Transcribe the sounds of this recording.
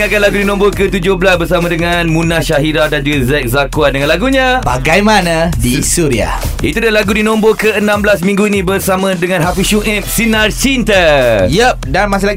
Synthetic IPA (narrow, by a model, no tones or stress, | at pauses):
akanlaɡudinɔ̃mbokət̪ud͡ʒohbəlasbərsamãdəŋanmũnahʃaɦiɾadand͡ʒuɡazɛk̚zakuadəŋãnlaɡuɲãba̰ɡajmanãdisuɾia̰ʔḭt̪udahlaɡudinɔ̃mbokəənãmblas̬mĩŋɡuinĩbərsamə̃dəŋãnɦafiʃuɛm̚sinarsint̪əjəp̚danmas̬ɪlaɡi